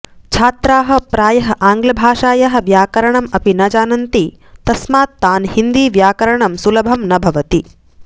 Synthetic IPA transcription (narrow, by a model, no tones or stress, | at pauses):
t͡ʃʰaːt̪ɾaːɦɐ̆pɾaːjɐɦɐ̆ʔaːŋɡlɐbʱaːʃaːjɐɦɐ̆ʋjaːkɐɾɐɳɐmɐpinɐd͡ʒaːnɐnt̪i | t̪ɐsmaːt̪ːaːnhind̪iːʋjaːkɐɾɐɳɐmsulɐbʱɐmnɐbʱɐʋɐt̪i